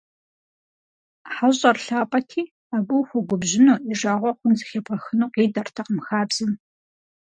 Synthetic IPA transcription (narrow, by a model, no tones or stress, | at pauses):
ħaɕʼɐrɬaːpʼɐtʰiː | aːɡʷʊxʷʊɡʷʊbʑɪnuːiʐaːʁʷɔqʷʊnzɨxebʁɐxɨnuːqiːdɐrtʰɐqəmxaːbz̥ɨm